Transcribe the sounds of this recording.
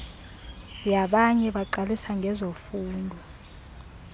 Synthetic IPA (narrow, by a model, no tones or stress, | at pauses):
jaɓaɲɛɓaǃalisaŋɡʱɛzofuːndʱɔ